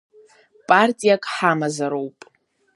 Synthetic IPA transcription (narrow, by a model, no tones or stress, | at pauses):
pʼartʼijakʼħamazaɾowpʼ